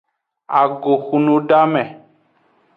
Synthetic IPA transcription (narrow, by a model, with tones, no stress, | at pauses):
a˨ɡo˨xu˨nũ˦ɖa˦mɛ̃˨